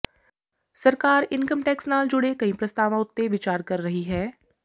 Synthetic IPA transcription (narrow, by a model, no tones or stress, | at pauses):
sɐɾkaːɾɪnkəmʈɛːksnaːld͡ʒʊɽekɐĩpɾɐst̪aːʋãʊt̪ːeʋɪt͡ʃaːɾkɐɾːɐɦiɦɛː